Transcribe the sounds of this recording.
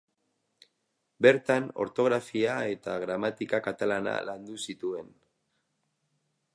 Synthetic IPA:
be̞ɾt̪ano̞̰ɾt̪o̞ɣ̞ɾafiae̞t̪aɣɾamat̪ikakat̪alana̰land̪usit̪ue̞n

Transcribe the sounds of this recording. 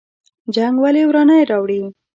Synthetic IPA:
d͡ʒaŋɡwalewɾɑnəjɾɑwɽi

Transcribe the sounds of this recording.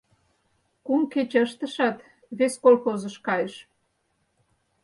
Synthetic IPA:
kumket͡ɕəʃt̪əʃɑt̪ | βeskolxozəʃkɑjəʃ

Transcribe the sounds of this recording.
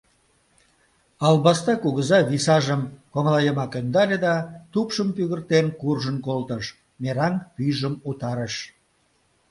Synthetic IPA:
ɑlbɑst̪ɑkuɣəzɑβisɑʒəmkoŋlɑjəmɑkønd̪ɑlʲed̪ɑt̪upʃəmpyɣərt̪enkurʒənkolt̪əʃ | meɾɑŋpyʒəmut̪ɑɾəʃ

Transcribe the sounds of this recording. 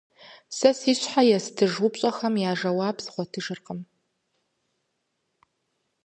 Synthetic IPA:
sɐsiːɕħajɛsdʰɨʒʊpɕʼɐxɐmjaːʒɐwaːbzɨ̥χʷɔtʰɨʒɨrqəm

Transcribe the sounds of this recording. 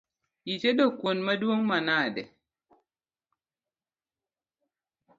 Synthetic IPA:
jit͡ʃedokwonmaduwoŋmanaːdɛ̰

